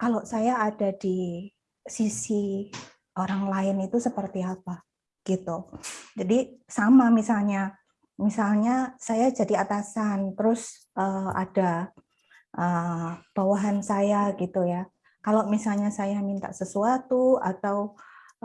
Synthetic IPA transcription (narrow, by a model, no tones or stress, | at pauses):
kalosajaːdadi | sisi | oɾaŋlaɪnit̪usəpərt̪iapa | ɡ̥it̪ud͡ʒadisamamisalɲa | misalɲasajad͡ʒadiat̪asant̪əɾʊs | ʔəa̰d̥a | ʔəb̥awaɦansajaɡit̪uja | kalomisalɲasajamint̪a̰ʔsəsuat̪ua̰t̪aw